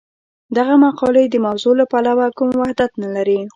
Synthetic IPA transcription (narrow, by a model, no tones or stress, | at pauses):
d̪aɣamaqɑled̪əmawzolapalawakumwahd̪at̪nalaɾi